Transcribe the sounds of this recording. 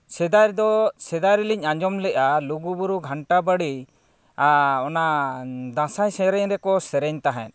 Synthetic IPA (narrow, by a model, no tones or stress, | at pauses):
sɛd̪ajɾd̪ɔsɛd̪ajɾiliɲaɲd͡ʒɔmlɛʔaluɡubuɾuɡʱaɳʈabəɽi | ɔnad̪ãsajsɛɾɛɲɾɛkɔsɛɾɛɲt̪aɦɛ̰̃n